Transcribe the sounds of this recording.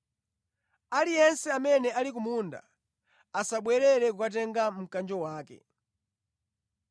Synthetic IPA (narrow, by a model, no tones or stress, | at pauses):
alijɛnsɛamɛnɛalik̬umunda̰ | asaɓwɛɾɛɾɛkukat̬ɛŋɡam̩kand͡ʒɔwaːkɛ̰